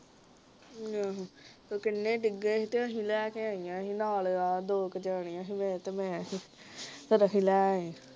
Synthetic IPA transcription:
ãːɦt̪oːkɪnːẽːɖɪɡẽːɦt̪eəɦĩlɛːkeãːijãːɦiːnaːlaːd̪oːkd͡ʒaːɳijãːɦimẽːt̪emẽãːɦi | t̪əɾəɦĩlɛːɦĩ

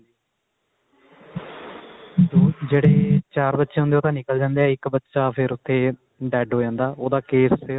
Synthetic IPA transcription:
oːd͡ʒeːɽeːt͡ʃaːɾbət̪ːʃeːɦʊ̃nd̪eoːt̪ãːnɪkəld͡ʒãːnd̪eːɛːɪkbətːʃaːpʰɪɾʊt̪ʰːeː | ɖɛːɖɦoːd͡ʒãːnd̪aːʔoːd̪aːkeːs

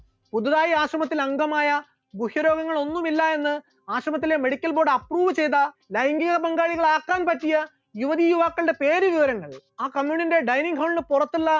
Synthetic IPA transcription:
puðuðaːjiaːɕrɐmɐt̪ːilɐŋɡɐmaːjɐ | buhjɐɾo̞ːɡɐŋːɐɭo̞nːumilːɐe̞nːɨ | aːɕrɐmɐt̪̬ːilemeɽikʲːɐlbo̞ːɖɐpruːʋɨt͡ɕe̞jt̪̬ɐlɐjŋɡiɣɐbɐŋɡaːɻiɣɐɭaːkːaːnpɐtːijɐ | juʋɐðijuʋaːkːɐɭɖe̞pe̞ːɾuʋiʋɐɾɐŋːɐɭaːkɐmjuːninde̞ɖɐjniŋɡɦɐwɳnɨpurɐt̪ːulːɐ

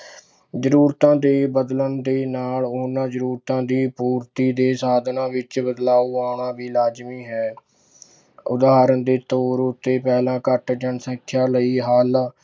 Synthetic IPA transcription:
zəɾuːɾt̪ãːd̪eːbəd̪lənd̪eːnaːloːnãːzəɾuːɾt̪ãːd̪iːpuːɾt̪iːd̪eːsaːd̪ʱnãːʋɪt͡ʃbəd̪laːoːaːɳaːʋiːlaːd͡ʒmiːɦɛː | ʊd̪ɦaːɾənd̪eːt̪oːɾʊt̪ːeːpɛːlãːkəʈd͡ʒəɳsə̃kʰːjaːləiːɦaːl

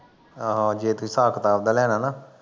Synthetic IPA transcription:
aɦãːd͡ʒeːt̪ʊĩːsaːkət̪aːb̚d̪aːlɛːɽ̃aːnaː

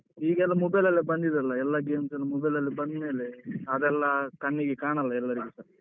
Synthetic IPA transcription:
iːɡɐɛlːɐmɔbɐjlɐlːibɐnd̪id̪ɐlːɐɛlːɐɡeːmsɐlːimɔbɐjlɐlːibɐnd̪me̞ːleɐd̪ɛlːɐkɐɳːiɡekaːɳɐlːɐɛlːɐɾiɡesɐɾ

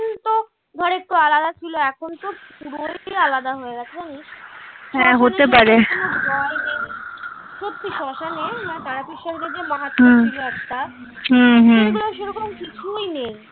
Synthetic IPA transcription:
nt̪o | d̪ʱɔɾek̚t̪oalad̪at͡ɕʰiloɛkʰont̪opuɾoalad̪aɦoeɡat͡ɕʰed͡ʑaniʃɦɛ̃ɦot̪epaɾeobɔenej | ʃot̪ːiʃɔʃanemaet̪aɾakiʃaʃd̪ed͡ʑemãɦat̪ːɦilatt̪a | ɦũɦeɡuloʃeɾɔkomkit͡ɕʰujnej

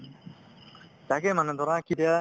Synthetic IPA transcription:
t̪akemanad̪ɔɾãkid̪a

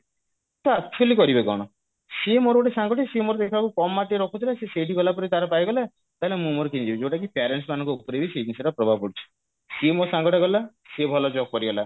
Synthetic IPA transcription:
t̪ɔatʰolikɔɾibekɔ̰ɽ̃ɔ | semoɾoʈesaŋɡɔʈesemoɾɔd̪ekʰbakukɔmːaʈieɾɔkʰut̪ʰilaseseʈʰiɡɔlapɔɾit̪aɾɔpajɡɔla | t̪aɦelemũmoɾɔkinid͡ʒibid͡ʒeʈakipaɾeɳʈsmanɔŋkuupɔɾebised͡ʒinseɾɔpɾɔbʱabɔpɔɽit͡ʃʰi̥ | semosaŋɡɔʈɔɡɔla | sebʱɔlɔd͡ʒɔkpɔɾiɡɔla

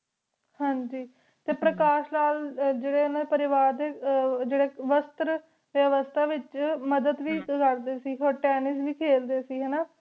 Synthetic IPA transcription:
hãːɲd͡ʒiː | t̪eːpɾəkaːʃlaːld͡ʒeːɽeːɦnaːd̪epəɾɪʋaːɾd̪eːd͡ʒeːɽeːʋəst̪ɾə | ʋəʋəst̪ʰaːʋɪt͡ʃməd̪əd̪ʋiːkəɾd̪eːsiːoːɾʈɛːnɪsʋiːkʰeːld̪eːsiːɦɛːnaː

